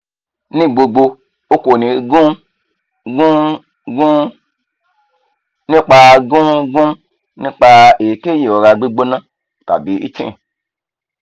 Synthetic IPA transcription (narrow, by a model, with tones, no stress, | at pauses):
nĩ˦˨ɡ͡bo˧ɡ͡bo˧ | o˦ko˨nĩ˨ɡũ˦ | ɡũ˦ | ɡu˦ | nĩ˦k͡pa˧ɡũ˦ɡũ˦ | nĩ˦k͡pa˧e˨ke˦je˨o˨ɾa˧ɡ͡bi˦ɡ͡bo˦nã˦ | ka̰˨bi˧˦ḭ˦t͡ʃḛ̃˦˨